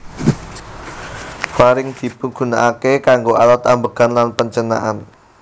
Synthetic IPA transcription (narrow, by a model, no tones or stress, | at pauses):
faɾɪŋd̪̥i̤puɡ̥ṳnaʔakekaŋɡoʔalat̪ambəɡ̥anlanpəɲt͡ʃəna̰ʔan